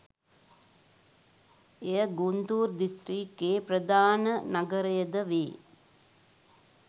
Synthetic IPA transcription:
ejəɡund̪uːrd̪ist̪ɾiːkːeːpɾəd̪aːnənaɡəɾəjəd̪əʋeː

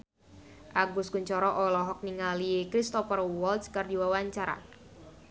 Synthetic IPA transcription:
ʔaɡuskuɲt͡ʃɔɾɔʔɔlɔɦɔk̚niŋalikɾist̪ɔfərwɔlt̪skərdiwawaɲt͡ʃaɾa̰

